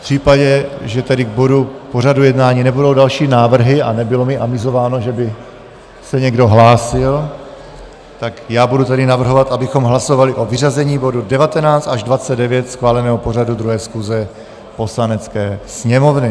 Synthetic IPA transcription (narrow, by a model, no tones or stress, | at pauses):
fpr̝̥iːpaɟɛʒɛt̪ɛdɪɡ̚bo̞dupo̞radujɛdnaːɲiːnɛbudo̞wdalʃiːnaːvr̩ɦɪanɛbɪlo̞mɪʔamɪzo̞vaːno̞ʒɛbɪ | sɛɲɛɡdo̞ɦlaːsɪl | t̪akjaːbudut̪adɪnavr̩ɦovat̪ʔabɪxo̞mɦlaso̞valɪʔo̞vɪrazɛɲiːbo̞dudɛvat̪ɛnaːt͡st̪aʒdvat͡sɛd̪dɛvjɛt̪sxvaːlɛnɛːɦopo̞r̝adud̪ɾuɦɛːsxuzɛ | po̞slanɛt͡skɛːsɲɛmo̞vnɪ